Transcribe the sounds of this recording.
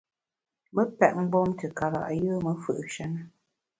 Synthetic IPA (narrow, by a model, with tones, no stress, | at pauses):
mə˦pɛ˨ʔ̚ŋ͡m̩˦ɡ͡bɔ˦mtə˨ka˨ɣa̰˨ʔjəː˦mə˨˦fɨ˦˨ʔʃa˦nə˦